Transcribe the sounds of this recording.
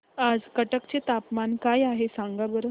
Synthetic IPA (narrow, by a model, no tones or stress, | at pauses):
ad͡zkəʈəkt͡ɕet̪apmankajaɦesãŋɡabəɾə